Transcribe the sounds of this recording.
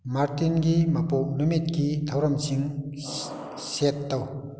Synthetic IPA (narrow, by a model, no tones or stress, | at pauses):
maɹt̪inkimapoʔnomet̪̚kit̪ʰawɹamt͡ɕiŋ | ɕet̪ːaw